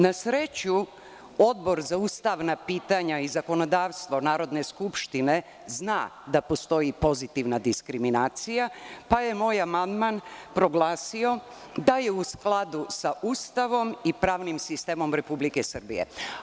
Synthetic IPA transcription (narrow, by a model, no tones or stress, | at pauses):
nasɾet͡ɕu | o̞d̪bo̞ɾzaust̪aʋnapiːt̪aɲaizako̞no̞d̪aːʋst̪ʋo̞naːɾo̞d̪ne̞skupʃt̪ine̞ | znaːd̪apo̞st̪o̞jipo̞zit̪iʋnad̪iskɾiminaːt̪sijapaje̞mo̞ːjamand̪manpɾo̞ɡlaːsio̞ | d̪aje̞usklˠad̪usaʔust̪aʋo̞mipɾaːʋnimsist̪eːmo̞mɾe̞publikesrbḭjḛ